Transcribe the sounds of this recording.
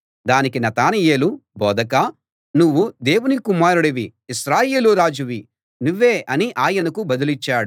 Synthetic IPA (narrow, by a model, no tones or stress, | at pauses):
d̪aːnikinɐt̪aːnɐje̞ːlubɔːd̪ɐka | nuʋːud̪e̞ːwunikumaːɾuɽɐʋiːʃɾaːje̞ːluɾaːd͡ʒuʋi | nuʋːeːʔɐniʔaːjɐnɐkubɐd̪ulit͡ʃːaːɽu